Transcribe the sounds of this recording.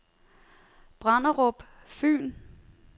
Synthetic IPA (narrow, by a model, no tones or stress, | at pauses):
b̥ʁɑnɐʁɔb̥ | fy̰ːn